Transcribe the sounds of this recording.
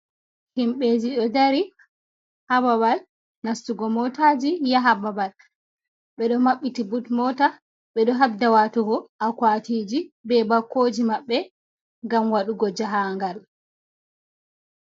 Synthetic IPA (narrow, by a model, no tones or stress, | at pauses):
himɓed͡ʒiɗɔdaɾi | habaβal | nastuɡɔmɔtaːd͡ʒijaɦababal | ɓɛɗɔmaɓːitibutmɔta | ɓɛɗɔɦab̚dawatuɡɔʔakwatiːd͡ʒibɛbakːoːd͡ʒimaɓːɛ | ŋɡamwaɗuɡɔd͡ʒaɦaŋɡal